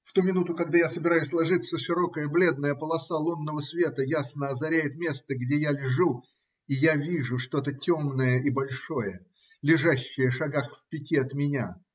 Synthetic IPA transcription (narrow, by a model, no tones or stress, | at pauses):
ft̪umʲɪnut̪ʊkɐɡd̪ajasəbʲɪɾajʊsʲlˠɐʐɨt̪sːəʂɨɾo̞kəjəblʲe̞d̪̚nəjəpəlˠɐsalˠunːəvəsvʲe̞t̪əjasnəɐzɐɾʲæjɪt̪mʲe̞st̪əɡdʲejalʲɪʐu | ijavʲiʐʊʂt̪o̞t̪ətʲo̞mnəjəʔibɐlʲʂo̞jə | lʲɪʐaɕːɪjəʂɐɡaxfpʲɪtʲiɐt̪mʲɪnʲa